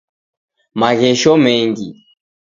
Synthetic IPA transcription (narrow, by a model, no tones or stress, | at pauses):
maɣɛʃɔmɛŋɡi